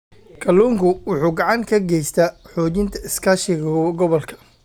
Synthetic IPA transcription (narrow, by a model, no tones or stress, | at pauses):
kʰɐluːŋkʰʊwʊħuːɡɑʕɑŋkʰɐɡɛjst̪ʰɐħɔːd͡ʒɪnt̪ʰɐɪskʰaʃɪɣɐɡɔβɔlkʰɐ̥